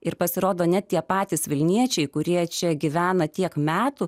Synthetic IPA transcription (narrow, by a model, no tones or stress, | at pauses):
ɪɾpɐsʲɪɾoːd̪oːnʲɛt̪̚t̪ʲiɛpɑːt̪ʲɪsʋʲɪlʲnʲiɛt͡ʃʲɛɪkʊɾʲiɛt͡ʃʲɛɡʲɪʋʲæːnɐt̪ʲiɛkmʲæːt̪u